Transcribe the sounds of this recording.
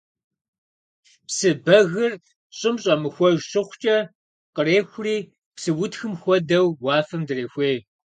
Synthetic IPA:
psɨbɐɣɨr | ɕʼɪmɕʼɐmɨxʷɔʒɕɪχʷt͡ʃʼɐ | qəreːxʷʊriː | psɨwʊtxɨmxʷɔdɐwwaːfɐmdɨreːxʷeː

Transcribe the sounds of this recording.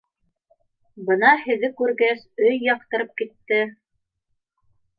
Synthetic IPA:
bɤnɑhɘ̆ðɘkʉɾɡæsɵjːɑqt̪ɤ̆ɾɤp̚kit̪ːɘ

